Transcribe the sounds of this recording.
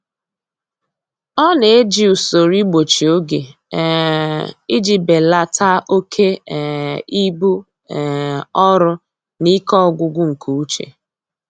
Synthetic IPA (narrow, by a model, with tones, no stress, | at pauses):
ɔ˦ne˨e˦d͡ʒi˨u˨so˨ɾi˦ɡ͡bo˨t͡ʃi˨o˦ɡe˨ | i˦d͡ʒi˨be˨la˨tʰa˦ʔo˦kʰe˦˨ | i˦bu˦˨ | ɔ˦ɾʊ˦ | ni˦kɔ˦ɡʷʊ˦ɡʷʊ˦ŋ̩˨kʰu˨u˦t͡ʃḛ˨